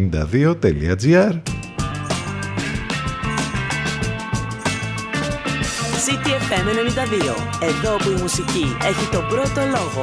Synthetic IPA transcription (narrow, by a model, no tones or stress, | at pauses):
ind̪ɐ̰ðio̞t̪elḭɐd͡ziɐɾ | sit̪iefeme̞ne̞nind̪ɐðio̞̰ | e̞ðo̞opuimusicie̞çit̪o̞bɾo̞t̪o̞loɣo